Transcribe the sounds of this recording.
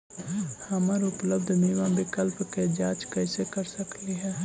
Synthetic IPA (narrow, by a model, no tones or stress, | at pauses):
həməɾʊpləbd̪ʱmiʋãbɪkəlpked͡ʒaːt͡ʃkɛːsekəɾsəkliɦɛː